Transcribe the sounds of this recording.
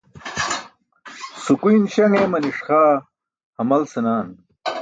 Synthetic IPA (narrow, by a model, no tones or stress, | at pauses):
sukujnɕɐŋemɐniʂxaː | hɐmɐlsɐnaːn